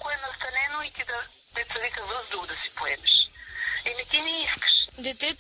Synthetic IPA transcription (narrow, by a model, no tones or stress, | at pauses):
koɛnɐst̪ɐlɛnoit̪id̪ɐ | t̪ɛt̪sɐvikɐzˠɐzd̪ɾuɡd̪ɐsi̥poɛmɛʃ | ɛmit̪inɛiskɐ̥ʃd̪ɛt̪i